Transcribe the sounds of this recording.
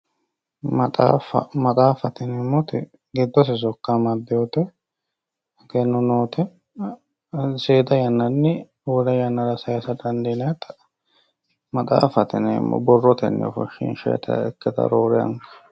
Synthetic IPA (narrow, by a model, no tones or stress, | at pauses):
mɐt̪ʼa̰ːfɐ̰mɐt̪ʼaːfɐt̪ɪnɛmːɔt̪ɪ | ɡɪd̪ːɔs̬ɪs̬ɔkːamɐd̪ːɪjɔt̪ɛ | kɛnːɔnoːt̪ɛ | seːd̪ɐjɐnːɐnːɪ | ɔd̪ɐjɐnːɐɾɐsɐjasɐd̪ɐnd̪ɛnɛt̪ɐ̥ | mɐt̪ʼa̰ːfɐt̪ɪnɛːmːɔ̰bɔrːɔt̪ɛnːɛ̰fɔ̰ʃːɪ̰nʃɛ̰t̪ʰɐ̰ɛkːɛt̪ɐ̰ɾoːɾɪjɐ̰ŋkɐ̥